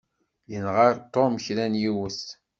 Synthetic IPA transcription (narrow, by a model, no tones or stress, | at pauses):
jənʁəɾt̪omçɾænjiwəs